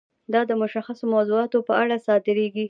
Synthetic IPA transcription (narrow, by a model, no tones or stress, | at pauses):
d̪ɑd̪əmʊʃaxasomawzuɑt̪opəaɽasɑt̪ɪɾeɡi